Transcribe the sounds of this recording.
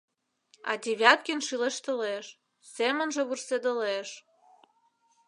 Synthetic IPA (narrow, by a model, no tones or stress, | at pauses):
ɑ̰d̪ʲeβʲjɑt̪̚kʲinʃileʃt̪ə̆leʃ | semə̆nʒĕβursed̪ə̆leʃ